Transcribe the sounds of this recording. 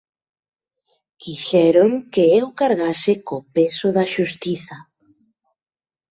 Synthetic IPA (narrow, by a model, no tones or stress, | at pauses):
kiʃɛɾoŋkeewkaɾɣasɪkopesʊðɐʃust̪iθɐ